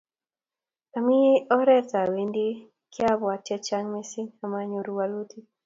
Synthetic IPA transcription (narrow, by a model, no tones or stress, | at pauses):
tamiɔɾɛtawindi | kjabwat͡ʃɛt͡ʃaŋmesinamaɲɔɾuwalutʰi